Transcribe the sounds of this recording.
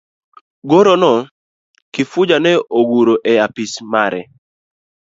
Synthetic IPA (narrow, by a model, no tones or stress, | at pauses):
ɡoɾonɔ | kɪfʊd͡ʒanɛʔoɡuɾoʔɛapismaɾɛ̰